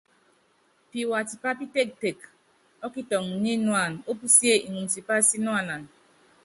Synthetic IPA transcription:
pi˨wa˨ti˨pa˦pi˦te˦˨k̚te˨k | ɔ˦ki˦tɔ˨ŋ˨ɲi˦nu˦a˨n˨o˦pu˦si˦e˦ʔi˨ŋu˨m̩˨ti˨pa˦si˦nu˦a˨na˨n˨

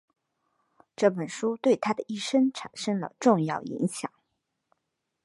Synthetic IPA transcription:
ʈ͡ʂɤ˥˩pə˨˩nʂu˥t̪we˥˩ɪt̪ʰa˥d̪ə˩i˥˩ʂə˥ŋʈ͡ʂʰa̰˨˩nʂə˥ŋlə̰˨ʈ͡ʂʊ˥˧ŋjɑ˥˩ʊḭ˧˥ŋɕjɑ̰˨˩˦ŋ

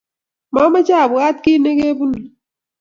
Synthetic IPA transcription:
mɔ˦ma˦t͡ʃa˦˨bu˨a˦t̚ki˦ne˦ke˦bu˦ni˨

